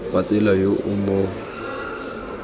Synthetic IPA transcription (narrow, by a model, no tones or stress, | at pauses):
pat͡sʼɛlajoʔʊmo